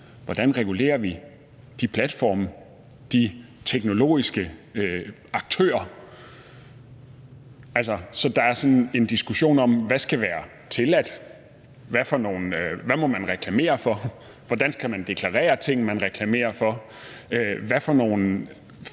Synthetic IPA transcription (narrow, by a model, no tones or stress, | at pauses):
ʋɒd̥ænʁɛɡ̥ule̝̰ːɐʋi | d̥ipʰlæd̥fɒ̰ːm | d̥i | t͡sʰeɡ̥no̝lo̝̰ːisɡ̥əø | ɑ̈ɡ̥̚t͡sʰø̰ːɐ | æls̬ɒsɒ̽d̥ɑ̈æɐsɒ̽ne̝nd̥isɡ̥uɕo̝̰ːnɒ̽mʋæsɡ̥æʋæːɐ | t͡sʰe̝læd̥ | ʋæfɒno̝̰ːn̩ʋæmɒ̽mænʁɛkʰlæme̝̰ːɐfɒ̽ | ʋɒd̥ænsɡ̥æmænd̥e̝kʰlɑ̈ʁɛ̰ːɐt͡sʰe̝ŋ̰n̩mænʁɛkʰlæme̝̰ːɐfɒ̽ | øʋæfɒno̝̰ːn̩